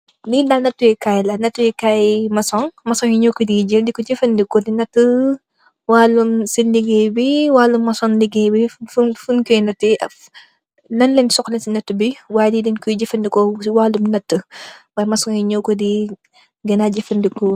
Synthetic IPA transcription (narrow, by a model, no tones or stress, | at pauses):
didanɐtːujɛkajlɐnɐtːujɛkajmɐsɔŋmɐsɔŋjiɲokːədiɟəldikɔɟɛfɐndikɔdinɐtːə | waːlumsinliɡebiwaːlumːɐsɔnliɡɛbifufunkɔjnɐtːiʔɐf | nɐnlɛnsɔklɛnsinɐtːubiwaːjdidinkuɟɛfɐndikɔwaːlumnɐtːəwaːjmɐsɔŋjiɲɔkːɔdi | ɡɐnaɟɛfɐndikɔ